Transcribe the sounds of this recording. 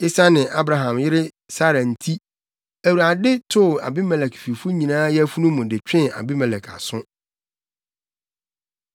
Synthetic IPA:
i˦sa˦nɪ̃˨ʔa˦bɾa˨ɦã˨mjɪ˦ɾɪ˦ | sa˦ɾa˨n̩˨tʰi˦ | æ˨wu˨ɾa˨dɪ˦tʰʊ˦˨a̰˨bɪ˦mɛ˨lɛ˨kfi˨fu˦ɲĩ˨nãː˦jɛ˦fu˦nũ˦mũ˨dɪ˨t͡ɕᶣɪ̃˦˨a̰˨bi˦mɛ˨lɛ˨kʰa̰˨sʊ̃˦

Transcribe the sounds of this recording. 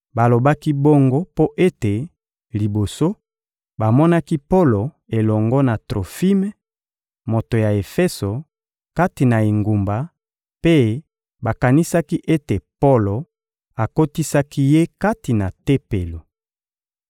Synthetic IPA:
ba˨lo˨ba˦ki˦bo˦ŋɡo˦po˦ʔe˦te˨ | li˨bo˨so˦ | ba˨mɔ˦na˦ki˦po˦lo˨ | e˨lɔ˨ŋɡɔ˦na˨tʁo˨fi˦me˨˦ | mo˨to˨ja˨e˨fɛ˦so˨ | ka˦ti˨na˨e˨ŋɡu˨mba˨ | pe˦ | ba˨ka˨ni˦sa˦ki˦ʔe˦te˨po˦lo˨ | a˨ko˦ti˦sa˦ki˦je˦ka˦ti˨na˨te˦pe˨lo˨

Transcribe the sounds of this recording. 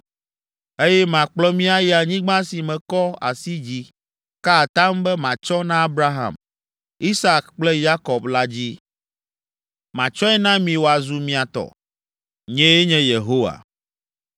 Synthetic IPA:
e˦jɛ˦mã˨k͡plɔ˦mĩ˦a˦jɛ˦a˨ɲĩ˦ɡ͡bã˦si˨mɛ̃˨kɔ˦a̰˨si˦d͡ʑi˦ | ka˦˨t̪ã˦mbɛ˦mã˨t͡ʃɔ˦nã˦a˦bɾa˦ɦã̰˨m | i˦sa˦kk͡plɛ˦ja˦kɔ˨bla˦d͡ʑi˦ | mã˨t͡ʃɔ˦ɛ˦nã˦mĩ˨wo˨a˨zu˨mĩ˨a˨t̪ɔ̰˨ | ɲɛ̃˦e˦ɲɛ̃˦je˨ɦo˦wa̰˨

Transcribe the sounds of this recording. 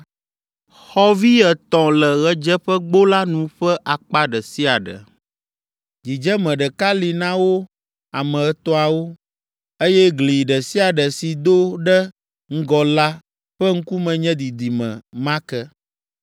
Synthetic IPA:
xɔ˦vi˦ɛ˨t̪ɔ̃˨lɛ˨ɣɛ˦d͡ʒɛ˦ɸɛ˦ɡ͡bo˦la˦nũ˨ɸɛ˦ʔa˨k͡pa˦ɖɛ˨si˦a˨ɖə̰˨ | d͡ʒi˨d͡ʒɛ˦mɛ̃˨ɖɛ˨ka˦li˨nã˦wo˦ | a˨mɛ̃˨ɛ˨t̪ɔ̃˦a˨wo˦ | e˦jɛ˦ɡli˨ɖɛ˨si˦a˨ɖə˨si˨d̪o˦ɖɛ˦ | ŋ̩˦ɡɔ˨la˦ | ɸɛ˦ŋ̩˦ku˦mɛ̃˨ɲɛ̃˦d̪i˨d̪i˨mɛ̰̃˨mã˦kɛ˦

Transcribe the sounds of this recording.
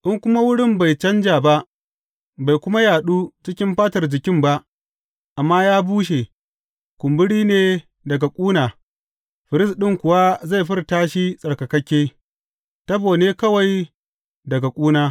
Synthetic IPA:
ʔɪ˦ŋkʷʊ˦ma˦wʊ˦ɽɪ˦mba˨jt͡ʃɐ˦nd͡ʒaː˨ba˦ʔ | ba˨jkʷʊ˦ma˦jaː˨ɗuː˦t͡ʃɪ˦kʲɪ˦mɸaː˦tɐ˨rd͡ʒɪ˨kʲɪ˦mba˦ʔ | ʔa˨mːaː˦jaː˦buː˦ʃ̬e˨ | kʷʊ˨mbɪ˦ɽiː˦neː˨ | dɐ˨ɡa˨kʷʼuː˦naː˨ | ɸɪ˨ɾɪ˦sɗɪ˦ŋkʷʊ˨wa˦za˦˨jɸɪ˦rtaː˦ʃi˦sʼɐ˨rkɐ˨kɐ˦kʲeː˦ | tɐ˦boː˨neː˦kɐ˦wa˨j | dɐ˨ɡa˨kʷʼuː˦naː˦

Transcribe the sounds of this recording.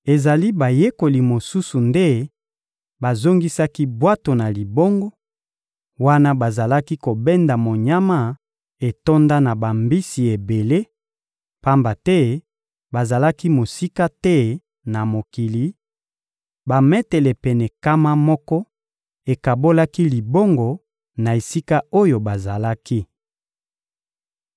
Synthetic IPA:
e˨za˨li˦ba˨je˦ko˨li˨mo˨su˦su˨nde˦ | ba˨zo˦ŋɡi˦sa˦ki˦bwa˦to˨na˨li˨bo˦ŋɡɔ˦ | wa˦na˦ba˨za˨la˦ki˦ko˨bɛ˦nda˨mo˨ɲa˦ma˦ | e˨to˦nda˦na˨ba˨mbi˦si˨e˨be˨le˦ | pa˦mba˨tɛ˦ | ba˨za˨la˦ki˦mo˨si˦ka˦tɛ˦ | na˨mo˨ki˨li˨ | ba˨mɛ˦tɛ˨lɛ˨pɛ˨nɛ˨ka˦ma˦mɔ˦kɔ˦ | e˨ka˨bo˦la˦ki˦li˨bo˦ŋɡɔ˨ | na˨e˨si˦ka˦o˦jo˨ba˨za˨la˦ki˦

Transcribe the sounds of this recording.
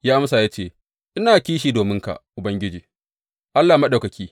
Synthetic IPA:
jaː˦ʔa˦msa˨jaː˦t͡ʃeː˦˨ | ʔɪ˦naː˨kʲiː˦ʃiː˨doː˨mɪ˦ŋka̰˨ʔʔʊ˨bɐ˦ŋɡʲɪ˦d͡ʒiː˨ | ʔa˦lːaː˨ma˦ɗa˨kɐ˨kʲʰiː˦

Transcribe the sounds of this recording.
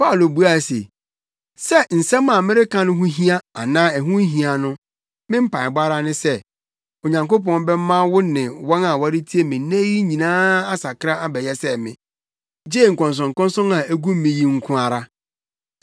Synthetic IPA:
pa˦˨lo˨bu˦a˨sḛ˨ | sɛ˦n̩˨sɛ̃˦mːã˨mɪ̃˦ɾɪ˦kʰã˦nʊ̃˦ɦũ˦ɦĩ˦a˦a˨nãː˦ɛ˨ɦũ˦ɦĩ˨a˨nʊ̃˦ | mɪ̃˦m̩˦pʰã˨ɪ˨ba˦ɾa˦nʊ̃˦sɛ˦ | o˨ɲã˨ŋko˦pɔ̃˦n˦bɛ˦m˦mã˦wʊ˦nɪ̃˨wɔ̃˦na˨wa˦ɾɪ˦tʰi˦e˦mɪ̃˨n˦næ̃˦ji˦ɲĩ˨nãː˦a˦sa˨kʰɾa˦a˦bɛ˨jɛ˦sɛ˦˨mɪ̰̃˨ | d͡ʑe˦˨ŋ̩˨kɔ̃˨ns̬ɔ̃˨ŋ˨kɔ̃˦n˦sɔ̃˦na˨æ˦ɡũ˦m˦mĩ˨˦ji˦ŋ̩˦kʰʊ̃˦a˨ɾa˦

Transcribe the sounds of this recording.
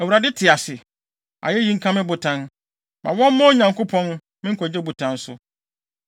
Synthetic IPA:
ɛ˨wu˨ɾa˨dɪ˦tʰɪ˨a˨sɪ˨ | a̰˨jɛ˦ji˦ŋ̩˦kʰã˦mɪ̃˦bʊ˨tʰã˦n | mã˨wɔ̃˦m˦mɔ̃˦ɲã˨ŋkʰo˦pʰɔ̃˦n | mɪ̃˦ŋ̩˦kʰɔ˨d͡ʑɛ˦bu˨tʰã˨˦n̩˦sʊ˦

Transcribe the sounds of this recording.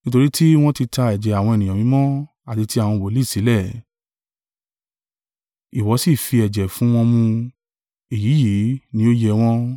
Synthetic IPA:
nĩ˦to˧ɾi˦tʰi˦w̃ɔ̃˦ti˧ta˧ɛ˨d͡ʒɛ˨a˨w̃ɔ̃˧e˨nĩ˨ã˨mĩ˧˦mɔ̃˦ | a˦˨ti˨˧ti˦a˦˨w̃ɔ̃˧˨wo˨˦li˦˨si˨˦lɛ˦˨ | i˨wɔ˨˦si˦˨fi˧ɛ˨d͡ʒɛ˨fũ˨˦w̃ɔ̃˧mũ˧ | e˨ji˨˦je˨˦nĩ˦o˦jɛ˧w̃ɔ̃˦

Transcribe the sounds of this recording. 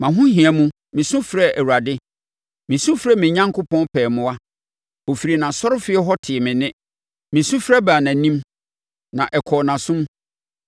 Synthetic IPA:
mã˨ɦʊ̃˦ɦĩ˨ɛ˨mũ˦ | mɪ̃˨sʊ̃˦fɾɛ˦ʔæ˨wu˨ɾa˨dɪ˦ | mɪ̃˨sũ˦fɾɛ˦mɪ̃˨ɲã˦ŋkʰʊ˦pɔ̃˦npʰɛː˨mʊ̃˦a˦ | o˨fi˨ɾi˨nã˨sɔ˦ɾʊ˦fɪ˦ɛ˦ɦɔ˦tʰɪ˨ɛ˨mɪ̃˨nɪ̃˦ | mɪ̃˨sʊ̃˦fɾɛ˦baː˨nã˨˦nĩ˦m | nã˨ʔɛ˨kʰɔ˨nã˨sʊ̃˦m

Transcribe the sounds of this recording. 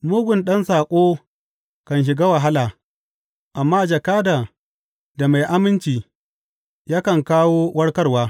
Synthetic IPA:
mʊ˦ɡʷʊ˨nɗɐ˦nsaː˨kʷʼoː˦ | kɐ˨nʃ̬ɪ˨ɡaː˦wɐ˨ɦa˦laː˨ | ʔa˨mːaː˦d͡ʒɐ˨kaː˦daː˨ | da˨ma˨jʔa˦mɪ˦nt͡ʃiː˨ | jaː˦kɐ˨ŋkaː˦woː˦wʔɐ˦ɽkɐ˦rwaː˦

